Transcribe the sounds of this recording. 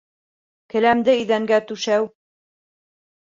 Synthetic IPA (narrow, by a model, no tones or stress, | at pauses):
kɘ̆læmd̪ɘɵ̆ðæŋɡæt̪ʉʃæw